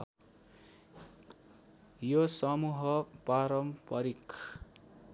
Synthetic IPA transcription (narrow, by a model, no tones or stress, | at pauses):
josʌmuɦʌpaɾʌmpʌɾik